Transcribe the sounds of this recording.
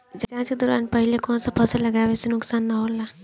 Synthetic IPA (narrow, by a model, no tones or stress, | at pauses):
d͡ʒd͡ʒaɦãt͡ʃked̪oːɾa̰ːnpəɦilekɔ̃ːnsepʰəsələɡaːbesenʊksaːnːaɦola